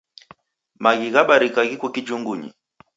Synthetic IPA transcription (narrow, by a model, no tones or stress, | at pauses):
maɣiɣaɓaɾikaɣikukid͡ʒuŋɡuɲḭ